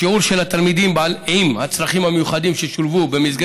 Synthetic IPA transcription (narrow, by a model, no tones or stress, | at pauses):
euʁʃelat̪almid̪imbalimhat͡sʁaχimhamejuχadimʃeʃulvubemizɡ